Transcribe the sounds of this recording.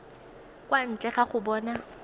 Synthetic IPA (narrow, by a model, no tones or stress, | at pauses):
kʼwan̩t͡ɬʼɛχaχʊbɔːna